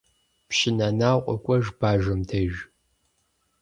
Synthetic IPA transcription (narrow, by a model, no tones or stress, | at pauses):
pʃɪnanaːqʷʼɔkʷʼɔʒbaːʒɨmtʰɐʒ